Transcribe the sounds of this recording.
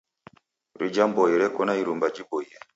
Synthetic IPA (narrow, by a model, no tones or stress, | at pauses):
ɾid͡ʒambɔjɛɾɛkɔnaiɾumbad͡ʒibɔjɛ